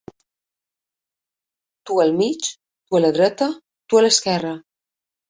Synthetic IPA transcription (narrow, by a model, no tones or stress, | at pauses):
t̪uəlˠmit͡ʃ | t̪uələðɾɛt̪ə | t̪uələskɛrə